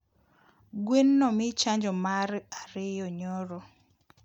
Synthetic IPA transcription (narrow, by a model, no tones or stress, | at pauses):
ɡwenːɔmɪt͡ʃaɲd͡ʒɔmaɾaɾɪjɔɲɔɾɔ